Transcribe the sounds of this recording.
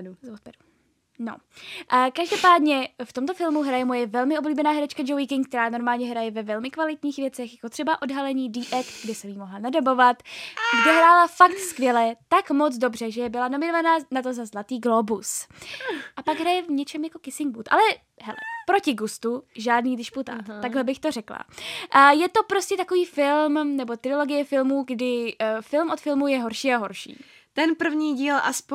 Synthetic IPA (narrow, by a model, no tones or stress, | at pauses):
zot̪pɛɾu | no̰ʔkaʒdopaːdɲɛft̪omt̪ofɪlmuɦɾajɛmo̞jɛvɛlmɪʔo̞bliːbɛnaːɦɛɾɛt͡ʃkad͡ʒowikɪŋk̚t̪ɛɾaːno̞ɾmaːlɲɛɦɾajɛvɛvɛlmɪkvalɪt̪ɲiːxvjɛt͡sɛxjakot̪r̥ɛbaʔo̞dɦalɛɲiːdiʔɛkt̪ɡdɛsɛmjiːmoɦlanadabo̞vat̪ɡdɛɦɾaːlafak̚t̪skvjɛlɛt̪akmo̞t͡sdo̞br̝ɛʒɛjɛbɪlano̞mɪnovanaːnat̪̬o̞zazlat̪iːɡlo̞bus | ʔapaɡɦɾajɛvɲɛt͡ʃɛmjako̞kɪsɪŋɡbut̪ʔa̰lɛ | ɦɛlɛ̰pɾo̞cɪɡust̪uʒaːdniːɡdɪʃput̪a̰ːt̪aɡɦlɛbɪxt̪o̞rɛkla̰ʔjɛt̪o̞pɾo̞scɛt̪akoviːfɪlmnɛbo̞t̪ɾɪlo̞ɡɪjɛfɪlmuːɡdɪfɪlmʔo̞t̪fɪlmujɛɦo̞ɾʃiːaɦo̞ɾʃḭː | t̪ɛnpr̩vɲiːɟiːlʔasp